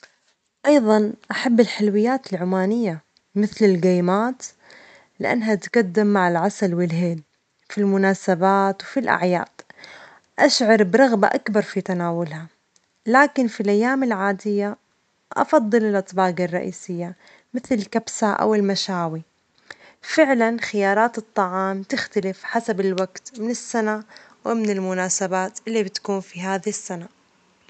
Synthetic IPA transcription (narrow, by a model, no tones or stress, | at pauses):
ʔɑjðˤɑnʔaħabːɪlħɪlwɪjːaːt̪ɪlʕʊmaːnɪjːa | mɪθlɪlɡaːmaːt̪ | lɪʔa̰nːɦat̪ɡad̪ːɪmːaʕɪlʕasalwɪlɦeːl | filmʊnaːsabaːt̪wfilʔa̰ʕja̰ːd̪̥ | ʔaʃʕɑɾˤbɾˤɑɣba̰ʔakbɑɾˤfit̪anaːwʊlha | laːkɪnfilʔajːaːmɪlʕaːd̪ɪjːa | ʔɑ̰fɑd̪ˤːɨlɪlʔɨt̪ˤbɑːɡɑrˤːɑʔḭːsɪjːa | mɪθlɪlkabsaʔa̰wɪlmaʃaːwi | fɪʕlanxɪjɑːɾˤɑːt̪ɨt̪ˤːɑʕɑːmt̪ɪxt̪alɪfħasabɪlwaɡt̪mɪnɪsːanawɪmɪnɪlmʊnaːsabaːt̪ʔɪlːibɪt̪kuːnfiɦaːðisːana